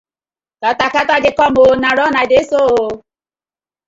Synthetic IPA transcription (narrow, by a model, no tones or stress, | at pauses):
tatakataɡekɔmonaɾɔnadesoo